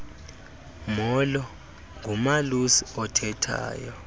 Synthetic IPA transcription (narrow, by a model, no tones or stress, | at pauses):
mɔlɔ | ŋʱumalusiɔtʰɛtʰa̰ːjɔ